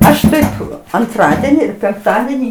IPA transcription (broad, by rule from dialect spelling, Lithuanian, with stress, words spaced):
ˈɐʃ ˈtɐɪp ɐnˈtrɑːdʲɛnʲɪ ɪr pʲɛŋkˈtɑːdʲɛnʲiː